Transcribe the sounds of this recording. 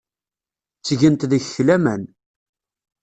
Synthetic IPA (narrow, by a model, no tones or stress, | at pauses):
t͡sːʝənt̪ðəççlæmæn